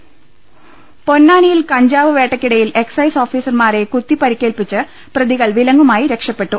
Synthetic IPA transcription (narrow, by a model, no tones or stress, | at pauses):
po̞nːaːnijilkɐɲd͡ʑaːʋɨʋe̞ːʈːɐkʲːiɽɐjile̞ksɐjso̞ːfiːsɐrmaːɾe̞kut̪ːipɐɾikʲːe̞ːlpit͡ɕːɨ | prɐðiɣɐɭʋilɐŋɡumaːjiɾe̞kʂɐpːe̞ʈːu